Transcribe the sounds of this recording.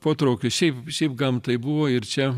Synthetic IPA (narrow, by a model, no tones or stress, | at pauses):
poːt̪ɾoʊkʲʊʃʲɛɪpʃʲɛɪpɡɐmt̪ɐɪbuʋoːɪɾt͡ʃʲɛ